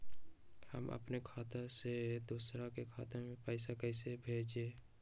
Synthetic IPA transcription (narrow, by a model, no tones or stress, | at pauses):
hə̰mə̰pnekʰaːt̪əɾsed̪uːsɾakekʰa̰ːt̪əmẽpəɪsakɛɪsebʱeːd͡ʒeː